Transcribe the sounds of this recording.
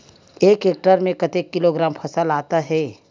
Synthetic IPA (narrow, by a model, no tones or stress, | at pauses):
eːkeːk̚ʈəɾmẽkɐt̪ekːɪloɡɾaːmpʰɐsəlaːt̪aɦɛː